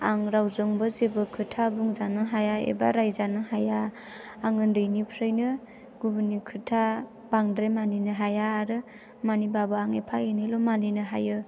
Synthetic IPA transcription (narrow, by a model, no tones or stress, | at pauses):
aŋɾawzɯŋbɯzebɯkʰɯtʰabuŋzanɯɦajaḛba̰ɾajzanɯɦajaː | ŋɯndɯjnipʰɾɯjnɯ | ɡ̥ubunikʰɯtʰa | b̥aŋdɾemaninɯɦajaːɾɯ | manibabɯaŋepʰajɯnilɔmaninɯɦajɯ